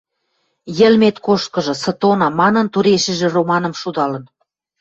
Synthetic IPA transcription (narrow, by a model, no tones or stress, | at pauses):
jə̆lmet̪koʃt̪̚kɤ̆ʒɤ̆sɤ̆t̪onɑmɑnɤ̆nt̪uɾeʃɘ̆ʒĕromɑnə̆mʃud̪ɑlɤ̆n